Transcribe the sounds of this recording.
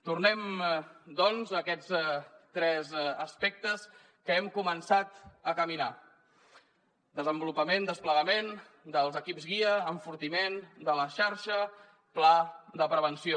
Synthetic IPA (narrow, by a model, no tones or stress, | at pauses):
t̪urnɛmd̪ɔnzəkɛt͡st̪ɾɛzəspɛk̚t̪əs | kəɛmkumənsat̪əkəmina | d̪əzəmbulupəmend̪əspləɣəmen | d̪əlˠzəkipzɣiəːɱfuɾt̪imend̪ələʃaɾʃə | plaðəpɾəβənsio